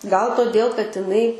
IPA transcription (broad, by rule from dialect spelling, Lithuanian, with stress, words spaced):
ɡɐlˠ toːˈdʲeːlˠ kɐt ɪˈnɐɪ